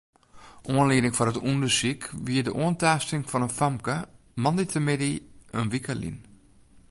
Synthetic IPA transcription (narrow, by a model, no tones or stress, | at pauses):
ʔuənliədɪŋfɔnətundəsikʋiədəʔuəntaːstɪŋfɔnənfamkə | mɔnditʰəmɪdiənʋikəlḭn